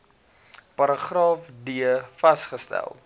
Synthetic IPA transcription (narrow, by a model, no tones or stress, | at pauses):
pɐɾəχrɑːfdiəfɐsχəstæ̰lˠ